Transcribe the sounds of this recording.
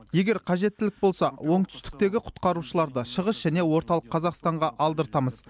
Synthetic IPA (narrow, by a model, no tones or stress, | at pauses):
je̞ɡʲe̞ɾqʰɑʒe̞t̪ːɪlɪk̚bo̞lˠsɑwo̞ɴt̪ʰʏ̥st̪ɪ̥k̚t̪e̞ɡʲɪqʰʊ̥t̪qɑɾuʃəlˠɑɾd̪əʃəʁəsʒ̥æne̞wo̞ɾt̪ɑlˠəqʰːɑzɑqst̪ɑɴʁɑʔɑlˠd̪əɾt̪ɑməz